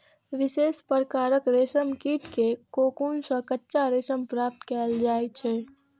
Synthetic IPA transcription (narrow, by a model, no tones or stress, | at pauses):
ʋɪseːspəɾkaːɾəkɾesəmkiʈkekokunsə̃kətːʃaɾesəmpɾap̚t̪kɛld͡ʒaːjt͡ʃʰɛ